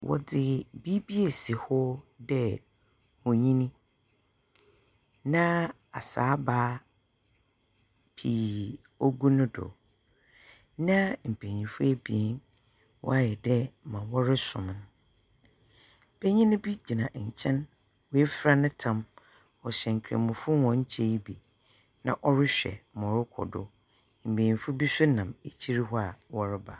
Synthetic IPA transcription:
wʔɔ̰˨dɪ˨bi˦bi˦e˨si˨hɔ˦dɛ˦ | wɔ̃˨ɲĩ˦nĩ˦ | nã˦ | a˨saː˨˦baː˦ | pʰi˨ | o˦ɡu˦nʊ̃˦dɔ̰˨ | nã˦m̩˨pʰe˨ɲĩ˨fʊ˦ɛ˦bi˨e˦n | wʔɔ̰˦a˦jɛ˨dɛ˦mã˨wɔ˦ɾɪ˦sʊ̰̃˨m˦nʊ̃˦ | m̩˨be˦ɲĩ˦nʊ̃˦bi˦d͡ʑi˨nã˨t͡ɕʰɛ̃˦n | wɔ˦ɛ˦fɾa˦nʊ̃˦tʰã˦m | ɔ˨ɕɛ̃˨ŋ̩˨kʰɾḛ˨mʊ̃˨fʊ˦wɔ̃˨ɲ̩˦t͡ɕʰɛ˦ji˦bi˨ | nã̰˨ʔɔ˦ɾɪ˦ɕᶣɛ̰˨˦mɔ̃˨ɾʊ˦kʰɔ̰˨dʊ̰˦ | m̩˨bẽ˨ɲĩ˨fʊ˦bi˦sʊ˦nã˨me˨t͡ɕʰi˦ɾi˦ɦɔ˦a˨wɔ˦ɾɪ˦ba˨

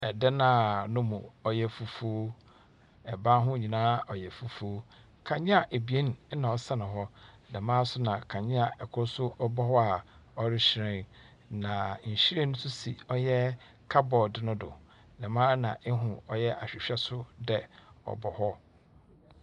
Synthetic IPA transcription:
ɛ˨dɛ˦nãː˨˦nʊ̃˦mṵ̃˨ɔ˨jɛ˨fu˨fu˦ | ɛ˨bã˦ɦʊ̃˦ɲĩ˨nãː˦ɔ˨jɛ˨fu˨fu˦o˦ | kʰã˨ɲɪ̃˦a˨ʔe˨bi˨e˦n˨˦nã˨ɔ˨sa˦nʊ̃˨ɦɔ˦dɛ̃˨mãː˦sʊ˦nã˨kʰã˨ɲɪ̃˦a˨ɛ˨kʰʊ˦sʊ˦ɔ˦bɔ˦hɔ˦a˨ɔ˨ɾɪ˦ɕɾɪ̃˦n | nã˨ɲ̩˨ɕi˦ɾe˦nʊ̃˦sʊ˦sḭ˨ɔ˦jɛ˦ | kʰa˦bɔ˨dɪ˦nʊ̃˦dʊ̰˨ | dɛ̃˨mãː˦nã˨ʔɪ˦ɦʊ̃˨ɔ˦jɛ˦ʔa˨ɕᶣɪ˨ɕᶣɛ˦sʊ˦dɛ˦ɔ̰˨bɔ˨hɔ˦

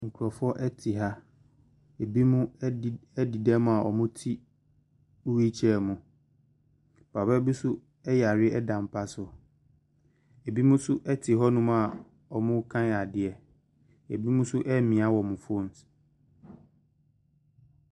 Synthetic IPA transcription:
ŋ̩˨kʰʊ˨ɾɔ˨fɔ˦ʔɛ˦tʰi˨ɦa˦ | e˨bi˦mũ˦˨ɛ˦di˨dɛ˦m̃˦a˨ʔɔ̰˨mʊ̃˦tʰi˦ | u˦wi˦t͡ɕʰɛ˦˨mʊ̃˨ | pʰa˨bɛ˦bu˦sʊ˦ | ɛ˦ja˨ɾɪ˦ɛ˦dã˨m̩˨pʰa˦sʊ˨ | e˨bi˦mʊ̃˦sʊ˦ʔɛ˦tʰɪ˨ɦɔ˦nʊ̃˦m˦a˨ | ɔ˨mʊ̃˦kʰã˦˨a˨dɪ˨ɛ˨ | ḛ˨bi˦mũ˦sʊ˦ʔɛ˦mĩ˨a˦wɔ˨mʊ̃˨fo˦n̩˦sɛ̥˨

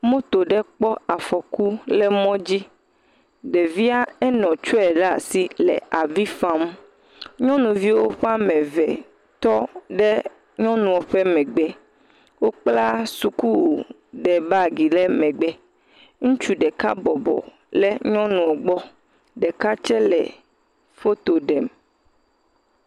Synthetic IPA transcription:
mõ˦t̪o˨ɖɛ˦k͡pɔ˦a˨fɔ˨ku˦lɛ˦mɔ̃˦d͡ʑi˦ | ɖe˨vi˦a˦ɛ˦nɔ̃˨t͡ʃɔ˦ɛ˨ɖa˦˨si˦lɛ̰˨a˨vi˦fã˦mũ˦ | ɲɔ̃˦nũ˨vi˦wo˦ɸe˦a˦mɛ̃˨vɛ˨ | t̪ɔ˦ɖɛ˦ | ɲɔ̃˦nũ˨o˨ɸɛ˦mɛ̃˨ɡ͡bɛ˦ | wo˦k͡pla˦su˨ku˦ | ɖɛ˨ba˦˨ɡi˨lɛ˦mɛ̃˨ɡ͡bɛ˦ | ŋũ˦t͡ʃu˦ɖɛ˨ka̰˦bɔ˨bɔ̰˨ | lɛ˦ɲɔ̃˦nũ˨ɔ˨ɡ͡bɔ˦ | ɖɛ˨ka˦t͡ʃɛ˦lɛ̰˨ | fo˦t̪o˨ɖɛ˨m

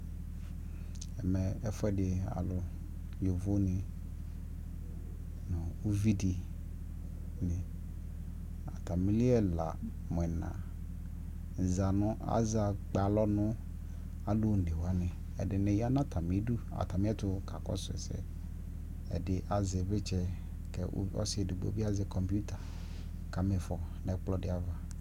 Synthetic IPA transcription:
ɛ˨mɛ˨ɛ˦fʊ˦ɛ˦dɪ˨a̰˨lʊ˨ | jo˨vo˦nɪ̃˨ | nʊ̃˨u˦vi˦di˨ | nɪ̃˨ | a̰˨t̪a˨mĩ˦li˦ɛ˦la̰˨ | m˨ɛ˨nã̰˨ | za˨nʊ̃˦ʔa̰˦za˨k͡pa˨lɔ˦nʊ̃˦ | a˦lʊ˦˨n̩˨de˨wa˦nɪ̃˨ | ɛ˨dɪ˨nɛ̃˨ja˦nã˦t̪ʰa˨mĩ˨˦du˦a̰˨t̪a˨mĩ˦ɛ˦t̪ʊ˦ka˨kɔ̰˦sʊ˨ɛ̰˨sɛ̰˦ | ɛ̰˨dɪ˨ʔa˨zɪ˨be˦t͡ʃɛ˦ | kɛ˨˦ɔ̰˦sɪ˦e˨du˨bo̰˦bi˦a˦zɪ˨kɔ˨mpu˦t̪a˨ | ka˨me˨fɔ˨ | nɛ˨k͡plɔ˦dɪ˨a˨va˨

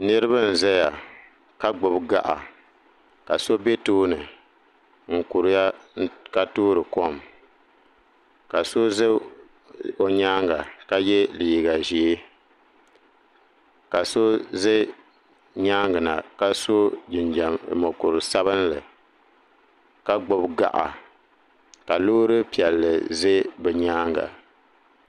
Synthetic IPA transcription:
nɨ˦ɾɨ˦ba˦n̩˨zɛ˦ja˨ | ka˦ɡ͡bʊ˨bɡa̰˦ʔa̰˨ | ka˨so˦be˦toː˦nɨ˨ | ŋ̩˨ku˨ɾɨ˨ja˦ka˦tuː˦ɾɨ˨ko˦m | ka˨so˦zɨ˦ | o˨˦ɲaː˦ŋɡa˨ka˦jɛ˦liː˨ɡa˨ʒi˨e˦ | ka˨so˦ze˦ | ɲaː˦ŋɡɨ˨na̰˨ka˦so˦ɪ˨n˨mo˨kʊ˨ɾɨ˨sa˦βɨ˦n˦lɨ˨ | ka˦ɡ͡bʊ˦bɡa̰˨ʔa̰˨ | ka˨loː˦ɾɨ˦pi˨ɛ˨lːɨ˨ze˦bɛ˨ɲaː˦ŋɡa̰˨

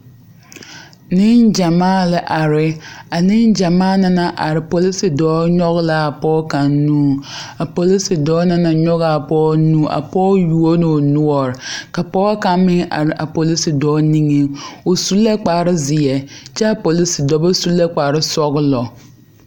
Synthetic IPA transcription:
nɪ˦nd͡ʒa˨maː˦lɪ˨ʔa˨ɾɪ˨a˨nɪ˦nd͡ʒa˨maː˦na˦na˨ʔa̰˨ɾɪ˨po˨li˦si˨dɔː˨˦ɲɔ˦ɣɪ˦la˦a˨pɔː˦ka˨nnuː˦a˨po˨li˦si˨dɔː˦na˦na˨ɲɔ˦ɣa˨a˨pɔː˦nũ˦a̰˨pɔː˦ju˨o˦no˨nʊ˦ɔ˨ɾɪ˨ka˨pɔː˦ka˦mɪ˦ŋa̰˨ɾɪ˨ʔa˨po˨li˦si˨dɔː˨˦ni˦ŋe˦o˨su˦le˦k͡paː˨ɾɪ˦zɪ˨ɛ˨t͡ʃɛ˦a˦˨po˨li˦si˨dɔ˦bɔ˦su˦le˦k͡pa˨ɾɪ˦sɔ˦ɣɪ˦lɔ˨

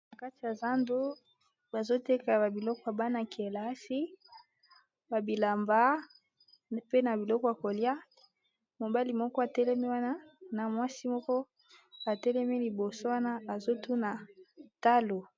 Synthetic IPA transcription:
nna˨ka˦ti˨ja˨za˦ndo˦ | ba˨zo˦te˦ka˨ba˨bi˨lɔ˦kɔ˦a˨ba˦na˨ki˨e˨la˨˦si˦ | ba˨bi˨la˨mba˦ | pe˦na˨bi˨lɔ˦kɔ˨˦a˨ko˨lja˦ | mo˨ba˦li˨mɔ˦kɔ˦a˨tɛ˦lɛ˦mi˦wa˦na˦na˨mwa˦si˦mɔ˦kɔ˦ | a˨tɛ˦lɛ˦mi˦li˨bo˨so˦wa˦na˦a˨zo˦tu˦na˨ta˦lo˨

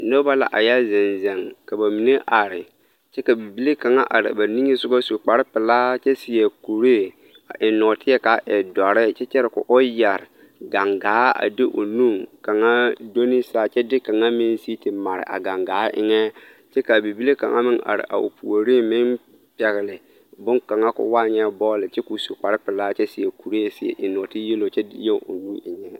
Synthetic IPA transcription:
no˦ba˦la̰˨ʔa̰˨ja˦zɪ˨nzɛ˨ŋka˨ba˨mi˨ne˦ʔa˨ɾɪ˨ | t͡ʃɛ˦ka˨bi˨bi˦le˦ka˨ŋa˦ʔa˨ɾɪ̰˨ba˨ni˦ŋe˦sʊ˦ɡa˦su˨k͡pa˨ɾɪ˦pɪ˨la˦t͡ʃɛ˦sɪ˨jɛ˨ku˨ɾe˦ | a˨ʔɪ˨nɔ˨tɪ˦ɛ˦ka˨ʔɛ˨dɔ˨ɾɪ˦t͡ʃɛ˦t͡ʃɛ˦ɾɪ˨kʊ̰˨ʔʊ˦ja˨ɾ | ɡa˨ŋɡaː˨˦a̰˨dɪ˦ʔo̰˨nu˦˨ŋka˨ŋa˦do˦ni˦sa˦˨t͡ʃɛ˦dɪ˦ka˨ŋa˦mɪ˦nsi˦tɪ˨ma˨ɾɪ̰˨ʔa̰˨ɡa˨ŋɡaː˨˦ʔɪ̰˦ŋɛ˦ | t͡ʃɛ˦ka˨bi˨bi˦le˦ka̰˨ŋa̰˦mɪ˦ŋa̰˨ɾɪ̰˨ʔa̰˨o̰˨pʰu˨o˨ɾi˦mɪ˦n | pɛ˨ɣɪ˨lɪ˨ | bʊ˦ŋka˨ŋa˦kʊ̰˦wa˦ɲɛ˦bɔː˦lɪ˨t͡ʃɛ˦ku˨so˨k͡pa˨ɾɪ˦pɪ˨laː˦t͡ʃɛ˦sɪ˨jɛ˨ku˨ɾe˦˨sɪ˨ɛ̰˨ʔɪ˨nɔ˨tɪ˦je˦lo˨t͡ʃɛ˦je˦ŋʊ̰˨nu˦ɪ˨ɲɛ˦

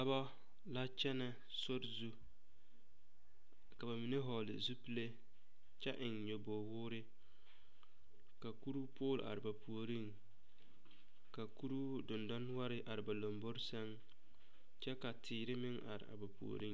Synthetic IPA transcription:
a˦ba˦ | la˦t͡ʃɛ˦nɛ˨ | sʊ˦ɾzu˦ | ka˨βa˨mi˨ne˦ɦɔ˨lɪ̰˨zu˦pi˦le˦ | t͡ʃɛ˦ʔɪ˨ŋɲo˨bo˨hʊː˦ɾɪ˦ | ka˨ku˦ɾu˦pʊː˦˨l̰ʔa̰˨ɾɪ˨ba˨pu˨o˨ɾi˦˨ŋ | ka˨ku˦ɾu˦ | dʊ˨ndɔ˦n˦wa˦ɾɪ˦ʔa˨ɾɪ˨ba˨lo˨mbo˦ɾsɛ˦ŋ | t͡ʃɛ˦ka˨tʰɪː˨ɾɪ˦mɪ˦ŋa̰˨ɾɪ̰˨a̰˨ba˨pṵ˨o̰˨ɾi˦

